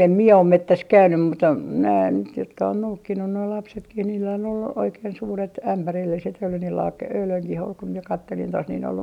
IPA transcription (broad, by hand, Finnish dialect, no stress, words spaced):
em mie om metːæs kæynym mutːɑ næː nyt jotkɑ on noukːinːu noi lɑpsetkih niːlːæ on olːu oikeːn suːret æmpærilːiset jɑ oli niːl lɑːk øyløŋkih ol ku mie kɑtːelin tos nin ol